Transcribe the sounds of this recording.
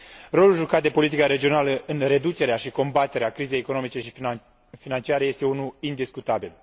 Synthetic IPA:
ro̞lulʒukat̪d̪e̞po̞lit̪ikaɾe̞d͡ʒio̞naləʔɨnre̞d̪ut͡ʃe̞ɾeaʃiko̞mbat̪e̞ɾeakɾize̞jeko̞no̞mit͡ʃe̞ʃi | finant͡ʃiaɾe̞je̞st̪eunuind̪iskut̪abil

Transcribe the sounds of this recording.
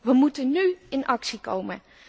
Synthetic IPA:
ʋəmutənyɪnʔɑksiko̰wmə

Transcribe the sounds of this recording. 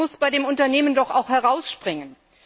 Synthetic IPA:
ʊsb̥aɪdeːmʊntɐneːməndɔχaʊxhɛʁaʊsʃpʁ̥ɪŋən

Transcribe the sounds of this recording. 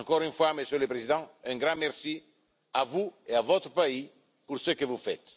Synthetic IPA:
ɑ̃ŋkɔʁynfwaməsjøləpɾezid̪ɑ̃ɛ̃ŋɡʁɑ̃mɛʁsi | avueavɔt̪ɾəpai | puʁsøkəvufɛt̪

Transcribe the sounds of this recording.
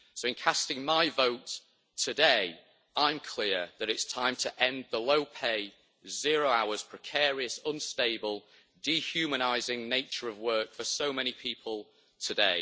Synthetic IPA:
soʊɪ̃nkʰastɪ̃ŋmaɪvoʊtʰ | ədeɪ | ʔãɪ̃mkʰl̥ɪəðəɾɪtstʰãɪ̃mtʰəʔɛ̃nðəloʊpʰeɪ | zɪəɹoʊaʊəz̥pʰɹ̥ɪkʰɛːɹiəsʌ̃nsteɪbəlˠ | dihjʉːməñaɪzɪ̃ŋneɪt͡ʃəɹəvwɜˑ˞kfəsoʊmɛñipʰiˑpʰəlˠ | tʰədeɪ

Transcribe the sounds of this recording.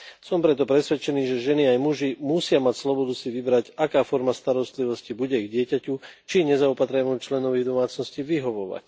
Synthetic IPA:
sɔmpɾɛt̪ɔpɾɛsʋɛt͡ʃɛniːʒɛʒɛniajmuʒimusɪamacslɔbɔd̪usiʋibɾacakaːfɔɾmast̪aɾɔst̪liʋɔscibuɟɛiɡɟɪɛcacut͡ʃiɲɛzaɔpat̪ɾɛmut͡ʃlɛnɔʋiːɣd̪ɔmaːt͡snɔsciːʋiɦɔʋɔʋa̰c

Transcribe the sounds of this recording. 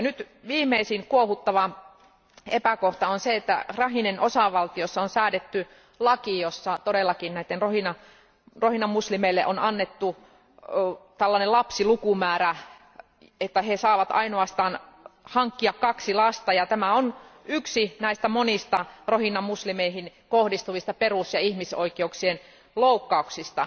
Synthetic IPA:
nyt̪ | ʋiːmːˑeisiŋkuohut̪ːɑʋɑ | epækoht̪ɑonseet̪ːæ̰rɑɦinenosɑʋɑlt̪iosːɑonsæːdet̪ːy | lɑkijosːɑt̪odelːɑkinnæit̪ːenrohinɑ | rohinɑmmuslimeilːeʔonɑnːet̪ːu | t̪ælːɑnelɑpsilukumæːɾæ | et̪ːæhesɑːʋɑt̪ɑ̰inoɑst̪ɑːnhɑŋkːiɑkkɑksilɑst̪ɑjɑt̪æmæonyksinæist̪æmonist̪ɑrohinːɑmuslimeiɦin | kohdist̪uʋist̪ɑperusjɑihmiso̰ikeuksien | loukːɑuksist̪ɑ

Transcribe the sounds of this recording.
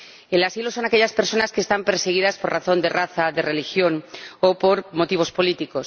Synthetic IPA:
elasilo̞so̞nake̞ʎaspe̞ɾso̞naskeːst̪ampe̞ɾse̞ɣ̞iðaspo̞raθo̞nd̪e̞raθaðe̞re̞lixjo̞nopo̞ɾmo̞t̪iβ̞o̞spo̞lit̪iko̞s

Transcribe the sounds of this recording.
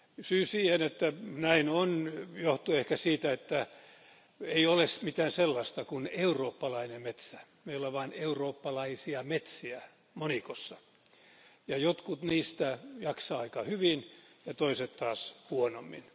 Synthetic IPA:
syːsiːhenet̪ːænæinonjoht̪uehkæsiːt̪æet̪ːæ | eiolesmit̪æːnselːɑst̪ɑkuneuroːpːɑlɑinemet̪sæmeiolɑʋɑːneuroːpːɑlɑisiɑmet̪siæ | monikosːɑ | jɑjot̪kut̪niːst̪æjɑksɑːɑikɑhyʋinjɑt̪oiset̪t̪ɑːshuonomːḭn

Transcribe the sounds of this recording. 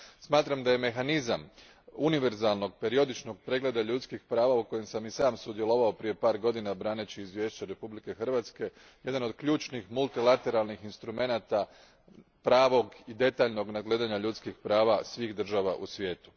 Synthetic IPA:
smaːt̪ɾamd̪aje̞me̞xanizam | uniʋe̞ɾzalno̞ɡpe̞ɾio̞d̪it͡ʃnoɡ̚pɾe̞ɡle̞d̪aʎut̪skixpɾaːʋauko̞je̞msamisaːmsud̪je̞lˠo̞ʋao̞pɾije̞paːɾɡo̞d̪inabɾaːnet͡ɕiizʋje̞ːʃt͡ɕaɾe̞publike̞xrʋat̪ske̞ | je̞d̪ano̞d̪kʎuːt͡ʃnixmulˠt̪ilat̪e̞ɾalˠnixinst̪ɾume̞naːt̪a | pɾaːʋo̞ɡid̪e̞t̪aːʎno̞ɡnaɡle̞ːd̪aɲaʎut̪skixpɾaːʋasʋiːxd̪r̩ʒaʋaʔusʋʲje̞ːt̪u̥

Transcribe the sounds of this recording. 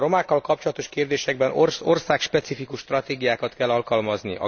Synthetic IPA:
ro̞maːkːɒlkɒp̚t͡ʃolɒt̪o̞ʃkeːrd̪eːʃɛɡ̚bɛnoro̞rsaːkʃpɛt̪sifikuʃt̪rɒt̪eːɡijaːkɒt̪kɛlːɒlkɒlmɒzniʔɒ̰

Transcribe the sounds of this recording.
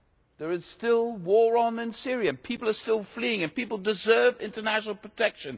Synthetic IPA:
ðə˞ɨz̥stɪlˠwɔɹə̃nɪ̃nsɪɹiɨ̃pʰipl̩ˠə˞stɪlˠfliɪ̃ŋɨ̃npipl̩ˠdɨzɜ˞vɪ̃ntənæʃnl̩ˠpʰɹ̥ətʰɛkʃɨ̃n

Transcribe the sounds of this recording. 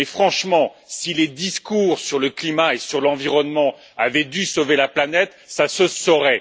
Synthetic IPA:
mɛfχɑ̃ʃmɑ̃siled̪iskuːʁsyʁləklimaesyʁlɑ̃viʁɔnmɑ̃ | avɛd̪ysovelaplanɛt̪ | sasəsɔʁɛ

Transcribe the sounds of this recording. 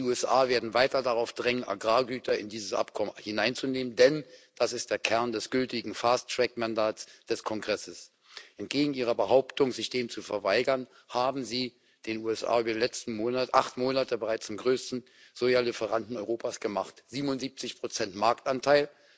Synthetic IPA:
d̥iuːɛsʔaːveːɐdn̩vaɪtɐdaʁaʊfd̥ʁɛŋənʔa̰ɡʁaːɡyːtɐɪ̰ndiːzəsʔa̰pkʰɔməhɪnaɪnt͡suneːməndɛnd̥asɪst̚d̥eːɐkʰɛɐndɛsɡ̥ʏltɪɡŋ̩fastʁ̥ɛkmandaːsd̥ɛskʰɔŋɡʁɛsəs | ʔɛnt̚ɡ̥eːɡŋ̩ʔiːʁɐbəɦaʊptʊŋzɪçd̥eːmt͡sufɛɐvaɪɡɐn | haːbm̩ziː | d̥eːnuːɛsʔa̰ːyːbɐdilɛt͡stn̩moːnaʔaχtmoːnatəbəʁaɪt͡sɪmɡʁøːstn̩ | z̥oːjaːlɪfəʁantn̩ɔʏʁoːpasɡ̥əmaχtz̥iːbmʊntz̥iːp̚t͡sɪçpʁ̥ot͡sɛntmaɐk̚tantʰaɪl

